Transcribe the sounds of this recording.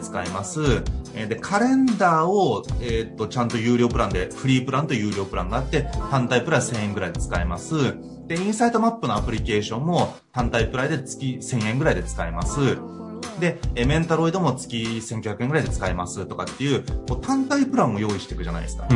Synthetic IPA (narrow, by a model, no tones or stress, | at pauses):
t͡sɨ̥kaimasɨed̪e̞kʰaɾẽ̞nd̪aːoet̪ːo̞t͡ɕãnt̪o̞jɯ̟ːɾʲo̞ːpɯ̟ɾãnd̪e̞ɸɯ̟ɾʲiːpɯ̟ɾãnt̪o̞jɯ̟ːɾʲo̞ːpɯ̟ɾãŋɡaːt̪ːe̞t̪ãnt̪aipɯ̟ɾãsẽ̞ɰ̃ẽ̞ŋɡɯ̟ɾaid̪e̞t͡sɨ̥kaimasɨ | d̪̥e̞ĩɰ̃said̪o̞mapːɯ̟noapɯ̟ɾʲike̞ːɕõ̞mːo̞ | t̪ãnt̪aipɯ̟ɾaid̪e̞t͡sɨ̥kʲisẽ̞ɰ̃ẽ̞ŋɡɯ̟ɾaid̪e̞t͡sɨ̥kaimasɨ | d̪e̞mẽ̞nt̪aɾo̞id̪omo̞t͡sɨ̥kʲisẽ̞ŋkʲoçakɯ̟eŋɡɯ̟ɾaid̪e̞t͡sɨ̥kaimasɨt̪o̞kat̪ːe̞jɯ̟ːko̞ːt̪ãnt̪aipɯ̟ɾãɰ̃ːo̞jo̞ːiɕi̥t̪e̞kɯ̟ʑana̰ḭd̪esɨ̥kḁ